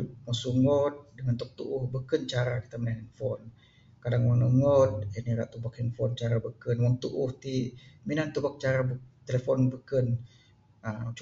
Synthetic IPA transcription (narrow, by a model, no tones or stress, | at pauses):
mɔsuŋɔt̪̚dəŋant̪ɔk̚t̪uʔuhbəkənt͡ʃaɾaki̥t̪amənananfɔn | kadaŋwɔnuŋɔt̪̚əniɾaʔt̪ubakɛnfɔnt͡ʃaɾabəkənwɔŋt̪uʔʊht̪iminant̪ubak̚t͡ʃaɾabt̪elefɔnbəkən | ət͡ʃ